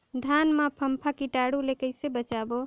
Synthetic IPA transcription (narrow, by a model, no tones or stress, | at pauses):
d̪ʱanmãpʰəmpʰakiʈaɽulekəɪsebət͡ʃabo